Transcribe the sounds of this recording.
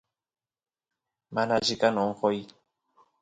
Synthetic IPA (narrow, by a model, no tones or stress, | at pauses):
manad͡ʒikanɔŋ̩kɔi